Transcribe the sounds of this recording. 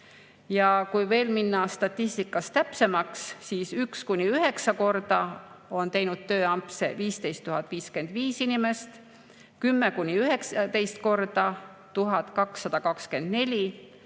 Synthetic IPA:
jɑkujve̞ːlminːɑst̪ɑt̪ˑːist̪ikːˑɑst̪t̪æpse̞mɑksːiːsykskunʲiyɦe̞ksɑko̞rd̪̥ɑo̞nt̪e̞jnud̪̥̚t̪ːø̞ːɑmpse̞̰viːst̪ejst̪ːuɦɑt̪ːˑviːske̞nd̪̥viːsinʲime̞st̪ | kymːekunʲiyɦe̞kst̪e̞jst̪̚ko̞rd̪̥ɑ | t̪uɦɑt̪ˑkɑksːɑd̪̥ɑkɑkske̞nd̪̥ne̞lʲi

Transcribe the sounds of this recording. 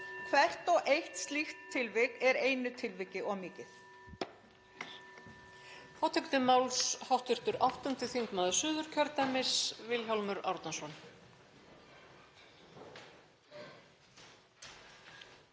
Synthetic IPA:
kʰvɛr̥t̪ɔɣʔejht̪st̪lixt̪ʰːɪlvɪkɛɾeːjnʏt̪ʰɪlvɪcɪʔɔɣmɪːcɪθ | fʰɔːwt̪ʰɛkt̪ʏmawlshawht̪ʏr̥t̪ʏɾawht̪ʏnt̪ɪθiŋkmaːðʏ̥sʏːðʏɾ̥cʰœɾt̪amɪsvɪlçalmʏɾa̰wɾt̪nasɔn

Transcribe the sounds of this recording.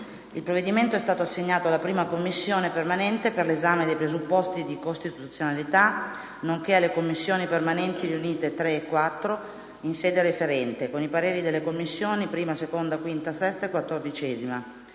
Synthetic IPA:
ilpɾoved̪iment̪oɛst̪aːt̪oasːeɲːaːt̪oalːapɾiːmakomːisːjoːnepermanɛnt̪eperlezaːmed̪ejpɾezupːɔst̪id̪ikost̪it̪uut̪sːjonalit̪a | noŋk̟ealːekomːisːjoːnipermanɛnt̪iɾiuniːt̪et̪ɾeːkːwat̪ːɾo | insɛːd̪eɾefeɾɛnt̪ekonipaɾeːɾid̪elːekomːisːjoːnipɾiːmasekond̪akwint̪asɛst̪aekwat̪ːord̪it͡ʃɛːzima

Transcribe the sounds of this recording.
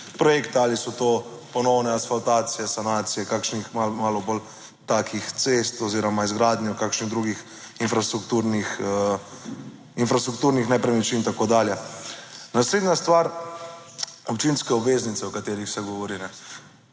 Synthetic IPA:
pɾɔjekt̪iaːlisɔt̪oːpɔnɔwnɛasfalt̪aːt̪sijɛsanaːt̪sijɛkaːkʃnixmamaːlɔbol | t̪aːkʰixt̪sest̪ɔziːɾɔmaizɡɾaːd̪njɔkaːkʃniɣd̪ɾuːɡix | infɾast̪ɾukt̪uːɾnix | infɾast̪ɾuk̚t̪uːɾnixnɛpɾɛnɛt͡ʃint̪akoːd̪aːljɛ | nasleːd̪nʲjast̪ʋaːɾ | ɔpt͡ʃinskɛɔbʋeːznit̪sɛɔkat̪eːɾixsɛɡɔʋɔɾinɛ

